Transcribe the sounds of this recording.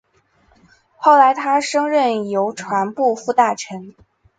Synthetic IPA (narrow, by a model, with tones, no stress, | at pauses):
xo˥˩ʊla˧˥ɪt̪ʰa˥ʂɤ˥ŋɻə˥˩njo˧˥ʊʈ͡ʂʰwa˧˥npu˥˧fu˥˧t̪a˥˩ʈ͡ʂʰə˧˥n